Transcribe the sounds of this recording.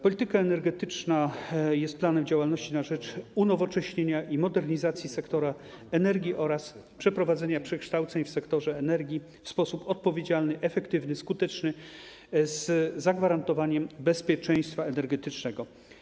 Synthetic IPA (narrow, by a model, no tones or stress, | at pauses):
pɔlʲit̪ɘkaɛnɛɾɡɛt̪ɘt͡ʂnajɛst̪̚planɛmd͡ʑawalnɔɕt͡ɕinaʐɛt͡ʂunɔvɔt͡ʂɛɕɲeɲaʔimɔd̪ɛɾɲizat̪sʲjisɛkt̪ɔɾa | ɛnɛɾɡʲiʔɔɾas | pʂɛpɾɔvad̪zɛɲapʂɛkʂt̪awt̪sɛɲfsɛkt̪ɔʐɛːnɛɾɡʲji | fspɔsupɔt̪̚pɔvʲjed͡ʑalnɘʔɛfɛkt̪ɘvnɘskut̪ɛt͡ʂnɘ | zːaɡvaɾant̪ɔvaɲɛmbɛspʲjɛt͡ʂɛj̃st̪faɛnɛɾɡɛt̪ɘt͡ʂnɛɡɔ